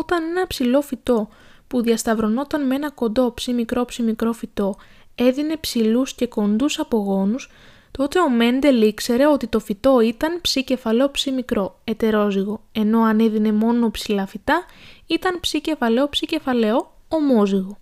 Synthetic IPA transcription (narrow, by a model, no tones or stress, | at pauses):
o̞t̪ɐne̞nɐpsilo̞fit̪o̞ | puðiɐst̪ɐvɾo̞no̞t̪ɐnmee̞nɐko̞nd̪o̞psimikɾo̞psimikɾo̞fit̪o̞ | e̞ðine̞psilusce̞ko̞nd̪usɐpo̞ɣo̞nus | t̪o̞t̪e̞o̞me̞nd̪e̞likse̞ɾe̞o̞t̪it̪o̞fit̪o̞it̪ɐnpsice̞fɐleo̞psimikɾo̞e̞t̪e̞ɾo̞ziɣo̞e̞no̞ɐneðine̞mo̞no̞psilɐfit̪ɐit̪ɐnpsice̞fɐle̞o̞psice̞fɐle̞o̞ | omo̞ziɣo̞